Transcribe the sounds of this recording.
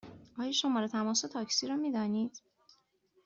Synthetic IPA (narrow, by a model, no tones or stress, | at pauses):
ɒːjɒʃo̞mɒːɾet̪ʰæmɒːsot̪ʰɒːcsiːɾɒːmiːd̪ɒːniːd̪̥